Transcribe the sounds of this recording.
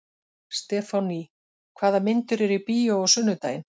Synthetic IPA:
st̪ɛːfani | kʰvaːðamɪnt̪ʏɾɛɾipiːjoɔsʏnːʏt̪a̰ːjɪn

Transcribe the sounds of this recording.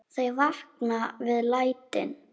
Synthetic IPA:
θejvahknavɪðlaːjt̪ɪ̰n

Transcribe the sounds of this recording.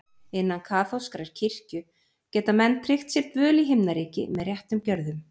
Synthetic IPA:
ɪnːankʰaːθowskaɾaɾ̥cʰɪr̥cʏ | cɛːt̪amɛnːt̪ʰɾɪxt̪sjɛɾt̪vœːliɦɪmnaɾiːcɪ̰mɛðrjɛht̪ʏmcœɾðʏm

